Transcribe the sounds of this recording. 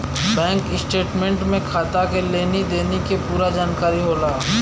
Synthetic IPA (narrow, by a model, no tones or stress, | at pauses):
bɛ̃ːŋkɪsʈeːʈmẽɳʈmẽkʰaːt̪akeleːnid̪eːnekepuːɾad͡ʒaːnkaːɾiɦoːlaː